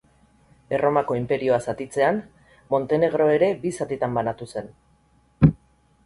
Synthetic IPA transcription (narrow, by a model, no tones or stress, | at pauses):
e̞ro̞mako̞impe̞ɾio̞asat̪it͡se̞an | mo̞nt̪e̞ne̞ɣ̞ɾo̞e̞ɾe̞bisat̪it̪ambanat̪use̞n